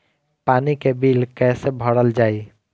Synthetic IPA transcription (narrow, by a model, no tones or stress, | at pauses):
panikebilkɛsebʱəɽəld͡ʒaːi